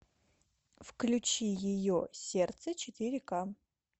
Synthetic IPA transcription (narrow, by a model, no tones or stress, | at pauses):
fklʲʊt͡ɕijɪjosʲert̪sət͡ɕɪt̪ʲiɾʲɪka